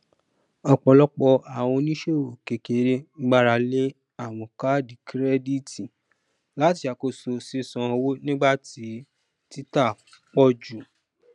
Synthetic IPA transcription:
ɔ˧k͡pɔ˧lɔ˦k͡pɔ˧a˨w̃ɔ̃˧nĩ˦ʃe˦o˨ke˨ke˨˦ɾe˦ɡ͡ba˦ɾa˧le˦ | a˦˨w̃ɔ̃˨ka˦di˨kɾɛ˦di˦˨ti˨ | la˨˦ti˧a˨ko˧so˨si˦sɔ̃˨˧ɔ˧wo˦nĩ˦ɡ͡ba˦˨ti˨˦ | ti˦ta˦˨ | k͡pɔ˦d͡ʒu˨

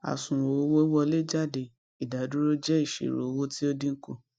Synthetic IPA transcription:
a̰˨sũ˨ɾo˨˦wo˦wɔ˧le˦d͡ʒa˦˨de˨ | i˨da˨˦du˦ɾo˦d͡ʒɛ˦i˦˨ʃḛ˨ɾo̰˨˦wo˦ti˦o˦di˦ŋ̩˦ko˧

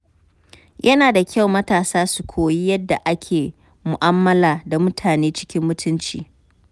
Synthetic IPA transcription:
jʔɐ˦naː˨da˨kʲʰɐ˦˨wmɐ˦taː˨saː˦su˨kʷʰoː˨ji˦jɐ˦dːa˨ʔa˦kʲʰeː˨ | mʊ˨ʔa˦mːɐ˦laː˨da˨mʊ˦tʰaː˨neː˦t͡ʃɪ̥˦kʲɪ˦mːʊ˦tʊ˦nt͡ʃḭː˨

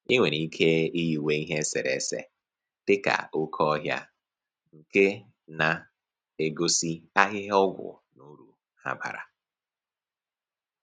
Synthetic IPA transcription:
i˦ŋʷe˨ni˦kʰe˦i˦ji˨we˦i˦ɦe˦sɪ̰˨ɾḛ˨˦sḛ˨ | d̥ɪ˦ka̰˨ʊ˦kʰɔ˦ɦja̰˦ | ŋ̩˨ke˦ | na˨ | e˨ɡo˦si˦a˦ɣɪ˦ɦɔ˦ɡʷʊ̰˨ | nu˦ɾu˨ | ha̰˦ba̰˨ɾa̰˨

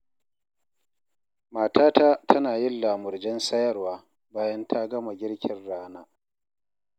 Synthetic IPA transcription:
maː˨taː˦ta˦tʰɐ˦naː˨jɪ˦nlaː˨mʊ˨rd͡ʒɛ˦nsɐ˦jɐ˦rwaː˦ | baː˦jɐ˦ntʰa˦ɡɐ˦ma˨ɡʲɪ˦ɽkʲɪ˨nɽaː˦naː˦

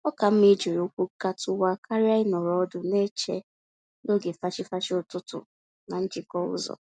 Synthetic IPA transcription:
ɔ˦ka˨m̩˦mi˦d͡ʒe˨ɾo˨˦kʷu˦ka˦tʊ˦wa˦kʰa˦ɾja˦ɪ˦nɔ˨ɾɔ˨ɔ˦dʊ˨ne˦t͡ʃe˦ | no˦ɡe˨fa˦t͡ʃɪ˦fa˦t͡ʃɪ˦ʊ˨tʊ˦tʊ̰˨ | na˨n̩˦d͡ʒɪ˨kɔ˦ʊ̰˦zɔ̰˨

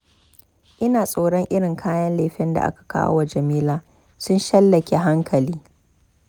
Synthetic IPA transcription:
ʔɪ˦naː˨sʼoː˦ɽɔ˦ŋʔɪ˦ɽɪ˨ŋkʰaː˦jɐ˦nleː˨ɸɪ˦nda̰˨ʔa̰˦kḁ˨ka̰ː˦wa˨d͡ʒɐ˨miː˦laː˦ | sʊ˦nʃɐ˦lːɐ˨kʲe˦ɦa˦ŋkʰɐ˨liː˦

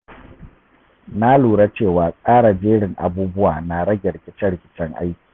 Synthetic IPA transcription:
na˦luː˨ɽa˦t͡ʃeː˦˨waː˨kʼaː˦ɽa˨d͡ʒeː˦ɽɪ˨ŋʔa̰˨buː˦bʊ˦wa̰ː˨na˨ɽɐ˦ɡʲɛ˨ɽɪ˨kʲɪ˦t͡ʃɛ˦ɽɪ˨kʲɪ̥˦t͡ʃɛ˦ŋʔa̰˦jkʲi̥ː˨

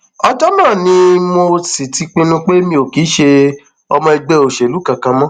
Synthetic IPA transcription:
ɔ˧d͡ʒɔ˦mãː˦˨nĩ˨˧˦mo˧si˨ti˨˧k͡pĩ˧nũ˧k͡pe˦mĩ˧˦o˨ki˨˦ʃe˧ | ɔ˧mɔ̃˧i˧ɡ͡bɛ˧o˨ʃe˨lu˨˦kã˧˨kã˧mɔ̃˦

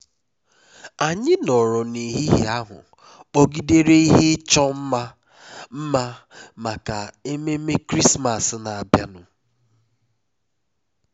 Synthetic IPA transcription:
a˨ɲɪ˦nɔ˨ɾɔ˨ni˨ɦi˦ɦḭ˦a˦ɦʊ̰˨ | o˦ɡi˦de˦ɾe˦i˦ɦɪ˦t͡ʃɔ˦m̩˦ma˦ | m̩˦ma˦ma˨ka˨e˦me˦me˦kɾi˦sma˨sna˨a˨bja˦nʊ˨

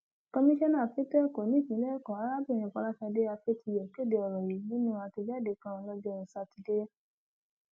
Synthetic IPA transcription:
kɔ˧mĩ˦ʃɔ˦nã˦˨fi˦tɛ˦ko˨nĩ˦fĩ˨˦lɛ˦kɔ˨a˨˦ɾa˦bĩ˦˨ĩ˧˨kɔ˨˧la˦fɛ˧de˦a˧fe˦ti˧jɔ˨ke˦˨de˨˧ɔ˨ɾɔ˨ji˨˦nĩ˦nũ˦ã˧ti˧d͡ʒa˦˨de˨˦˨kã˦˧lɔ˦d͡ʒɛ˦o˧˨sa˧ti˧de˦

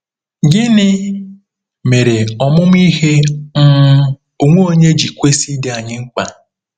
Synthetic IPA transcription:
ɡɪ˦nɪ˦ | me˨ɾe˨ɔ˨mʊ˦m˦i˦ɦe˦m̩˦ | o˨ŋʷo˦o˦ɲe˦d͡ʒi˨kʷe˦si˦de˦a˨ɲɪ˦ŋ͡m̩˦k͡pa˨

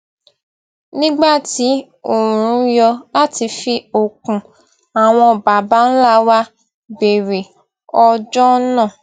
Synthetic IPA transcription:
nĩ˦ɡ͡ba˦˨ti˨˦ | o˨ɾ̃ũ˨˧˦jɔ˧la˦ti˧fi˧o˨kũ˨ | a˨w̃ɔ̃˧ba˨ba˨˦n̩˦la˦˧wa˦ | be˨ɾe˨ | ɔ˧d͡ʒɔ˦nãː˦˨

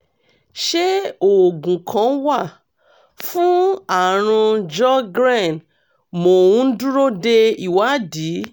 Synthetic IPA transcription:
ʃe˦o˨ɡũ˨kʰã˨˦wa˦˨ | fũ˦a˨ɾ̃ũ˧d͡ʒɔ˦ɡɾã˦˨n | mo˨wũ˦n̩˦dũ˦ɾo˦de˧i˨wa˨˦di˨˦

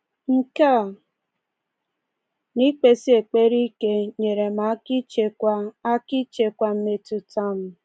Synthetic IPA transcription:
ŋ̩˦ka˦˨ | ni˦k͡pe˨si˦e˨k͡pe˦ɾi˦ke˦ɲe˨ɾe˨ma˨˦ki˦t͡ʃe˨kʷa˦a˦ki˦t͡ʃe˨kʷa˦m̩˦me˦tu˨ta˦m̩˦

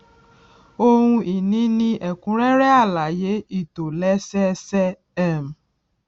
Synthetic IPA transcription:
o˧hũ˧ʔi˨nĩ˨˦nĩ˧ʔɛ˨kũ˨˦ɾɛ˦ɾɛ˦a˦˨la˨je˨˦i˦˨to˨lɛ˨˦sɛ˦sɛ˦ | ɛ˦˨m̩˨

